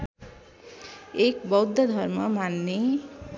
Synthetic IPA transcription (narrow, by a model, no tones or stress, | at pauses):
ekbʌwd̪ʱːʌd̪ʱʌrmʌmanːe